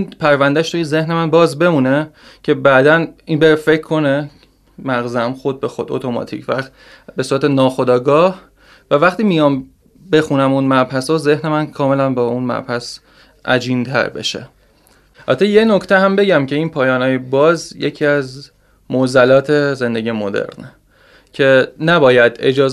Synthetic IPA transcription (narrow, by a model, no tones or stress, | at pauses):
inpʰæɾvænd̪æʃt̪ujeze̞hne̞mænbɒːzbe̞muːne̞ | cʰe̞bæːd̪æninbeɾefe̞cʰkʰːo̞ne | mæɣzæmxo̞d̪̚bexod̪o̰t̪ʰo̞mɒ̰t̪ʰḭcʰvæ | be̞suːɾæt̪e̞nɒːxo̞d̪ɒːɡɒːh | vævæχt̪iːmijɒːm | be̞xunæmunmæɾbhæsɒze̞hne̞mænkʰɒːme̞lænbɒːunmæ̰ɾhæs | ʔæ̰d͡ʒiːnt̪ʰæ̰ɾbe̞̰ʃḛ | ɒ̰t̪ʰeje̞no̞cʰt̪ʰeɦæmbe̞ɟæmcʰe̞iːnpʰɒːjɒːnɒːjebɒːzje̞cʰiːæz | mozælɒːt̪ʰe̞ze̞nd̪e̞ɟijemo̞d̪ḛɾne | cʰe̞næbɒːjæd̪e̞̰d͡ʒɒːz